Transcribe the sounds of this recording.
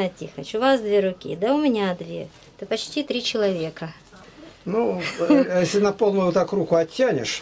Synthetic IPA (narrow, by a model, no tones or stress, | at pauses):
atʲixət͡ɕʊvasd̪vʲeɾʊkʲḭd̪aʊmʲɪnʲad̪vʲḛ | ɛt̪əpɐt͡ɕtʲit̪ɾʲit͡ɕɪlˠɐvʲe̞kə | nu | jesʲlʲɪnɐpolˠnʊjʊt̪akrukʊɐt̪ʲːænʲɪ̰ʂ